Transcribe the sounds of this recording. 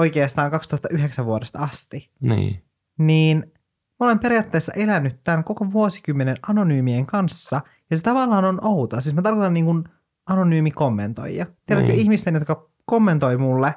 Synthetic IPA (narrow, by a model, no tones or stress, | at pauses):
ojkeːst̪ɑːŋkɑkst̪uhɑt̪ːɑʔyɦeksæʋʋuodest̪ɑɑst̪i | nḭː | niːn | mole̞mpe̞ɾijɑt̪ːeːsːɑ̰ʔe̞lænːyt̪ːænko̞koʋuosi̥kymːenenʔɑno̞nyːmieŋkɑnsːɑ | jɑset̪ɑʋɑlːɑːnonʔowt̪oɑsiːsmæt̪ɑrkot̪ɑniːŋkun | ɑno̞nyːmiko̞mːent̪o̞̰jjɑt̪ieɾæt̪køiçmist̪enjot̪kɑ | ko̞mːent̪o̞jmulːe